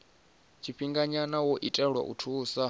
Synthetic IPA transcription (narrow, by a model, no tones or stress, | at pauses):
t͡ʃʰiɸiŋɡaɲanawɔʔitʼɛɺwa̰ʔṵtʰuːsa